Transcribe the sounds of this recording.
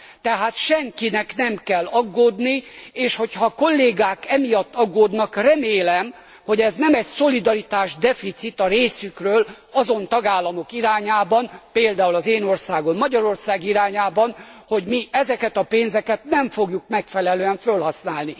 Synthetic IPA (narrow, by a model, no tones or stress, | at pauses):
t̪ɛɦaːt̪ʃɛŋkinɛknɛmkɛlːɒɡːoːd̪nieːʃho̞chɒko̞lːeːɡaːkɛmijɒt̪ːɒɡːoːd̪nɒkrɛmeːlɛm | ho̞ɟɛznɛmɛcso̞lid̪ɒɾit̪aːʒd̪ɛfit̪sit̪ɒɾeːsykrøːl | ɒzo̞nt̪ɒɡaːlːɒmo̞kiɾaːɲaːbɒnpeːld̪aːulɒzeːno̞rsaːɡo̞mːɒɟɒɾo̞rsaːɡiɾaːɲaːbɒnho̞ɟmiʔɛzɛkɛt̪ɒpeːnzɛkɛt̪nɛɱfo̞ɡjukmɛkfɛlɛløːɛɱfølɦɒsnaːlni